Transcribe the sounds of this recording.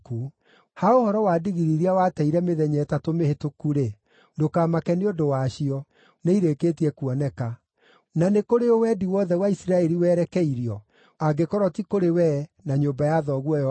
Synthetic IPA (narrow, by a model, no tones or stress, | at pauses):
ku | haohɔɾɔwaːdiɣiɾiɾiawatɛiɾɛmeðɛɲɛːtatomehetokuɾe | dokaːmakɛneodowaʃiɔ | neiɾekeːtiɛkuɔnɛka | nanekoɾeowɛdiwɔðɛwaisiɾaɛɾiwɛːɾɛkɛiɾjɔ | aɡekɔɾɔtikoɾewɛnaɲombajaðɔɣwɔjɔ